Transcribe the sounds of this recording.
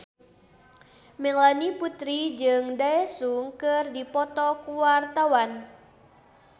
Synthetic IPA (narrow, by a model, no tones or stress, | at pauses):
mɛŋlaniput̪ɾid͡ʒɨŋdaɛsuŋkɨrdipɔt̪ɔkuwart̪awan